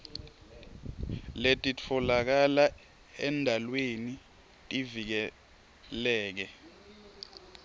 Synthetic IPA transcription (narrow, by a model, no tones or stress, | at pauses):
letʼit͡fʰɔlak̬ala | ɛndʱalweni | tʼivik̬ɛ | lɛːk̬ɛ